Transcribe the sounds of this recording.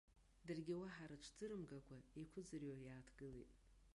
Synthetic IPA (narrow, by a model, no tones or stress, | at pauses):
dɨrɡʲɪwaħaɾɨʈ͡ʂʷʰd͡zɨɾɨmɡakʷʰaekʷʰʊd͡zɨrajaːtʰɡɨlḛjtʼ